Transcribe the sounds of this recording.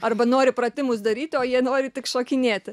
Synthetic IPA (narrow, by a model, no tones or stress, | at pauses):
ɐrbɐnoːɾʲɪpɾɐt̪ʲɪmʊsd̪ɐɾʲiːt̪ʲɪoːjiɛnoːɾʲɪt̪ʲɪkʃoːkʲɪnʲeːt̪ʲɪ